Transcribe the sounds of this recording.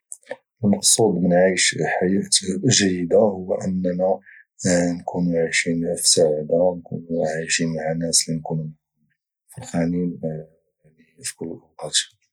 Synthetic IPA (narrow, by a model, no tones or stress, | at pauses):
ʔəlmɑqsˤud̪ˤmənʕijʃħajæt̪ʒæjːəd̪ahʊwːʔənːnæ | nkʰunuʕiʃinfi̥saʕd̪ankṵnuʕijʃinmaʕanːæslinkunum | fəlxænin | lifkʊlʔqɑt̪